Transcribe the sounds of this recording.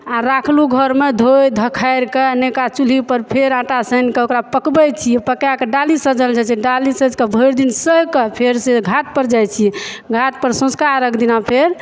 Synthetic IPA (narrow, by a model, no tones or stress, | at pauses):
aɾakʰluɡʱəɾmed̪ʱojd̪ʱəkʰajɾkenekat͡ʃulipəɾpʰeɾãʈasənkeokɾapəkbət͡ʃʰiɛpəkjakeɖalisəd͡ʒəld͡ʒat͡ʃʰɛɖalisəd͡ʒkebʱəjɾd̪insəɦkəpʰeɾseɡʱaʈ̪̚pəɾd͡ʒajt͡ʃʰiɡʱaʈ̪̚pəɾsõskaɾəkʰd̪inapʰeɾ